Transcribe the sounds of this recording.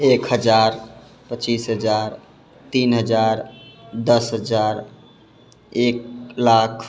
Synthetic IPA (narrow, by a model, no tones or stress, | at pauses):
ekɦəd͡ʒaɾ | pət͡ʃisɦəd͡ʒaɾ | t̪inɦəd͡ʒaɾd̪əsɦəd͡ʒaɾ | ek̚lakʰ